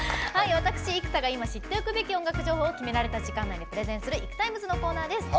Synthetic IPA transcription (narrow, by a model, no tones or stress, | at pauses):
haiβat̪akɯ̟̥ɕiːkɯ̟t̪aɡaimaɕit̪ːe̞okɯ̟be̞kʲiõŋɡakɯ̟ʑo̞ːho̞ːkʲime̞ɾaɾe̞t̪aʑikãnːaɲʲip̟ɾe̞zẽ̞ɰ̃sɨɾɯ̟ikɯ̟̥t̪aimɯ̟zɨno̞ko̞ːnaːd̪e̞sɨ̥